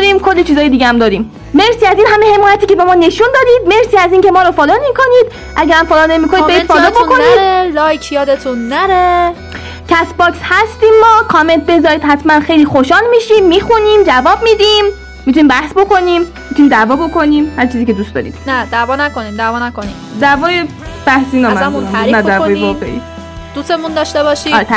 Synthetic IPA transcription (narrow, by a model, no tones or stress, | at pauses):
ɾiːmkʰo̞lːit͡ʃʰiːzɒːjed̪iːɡeæmd̪ɒːɾiːmː | e̞ɾsiːæziːnɦæmehe̞mɔːjæt̪iːce̞bemɒːne̞ʃuːnd̪ɒːd̪iːd̪̚me̞ɾsiːæziːnce̞mɒːɾɔfɒːd̪ɒːnikʰo̞niːd̪ | ʔæɟæɾæmfɒːd̪ɔːnemikʰonidbeifɒːd̪ɔb̪bokʰoniːdɾelɒːjkʰjɒːd̪et̪ʰunːæɾe | cʰæsbɒːkshæst̪iːmːɒːkʰɒme̞nt̪̚be̞zɒɾiːd̪hæt̪ʰmænxe̞jliːxoʃɒːlmiːʃiːmːiːxuniːmd͡ʒævɒːb̚miːd̪iːmː | it̪ʰunimbæhsbo̞ko̞niːm | mit̪ʰuniːmd̪ævɒːbo̞ko̞niːmhæɾt͡ʃʰiːziːced̪uːst̪ɒːɾḭːd̪̥næd̪ævɒːnækoniːmd̪ævɒnækonimd̪ævɒːjeb̥æhsiːnɒmæuæɾnæd̪ævɔːjevɒːʁḛʔḭː | d̪usemund̪ɒʃt̪ebɒʃiːɾeæ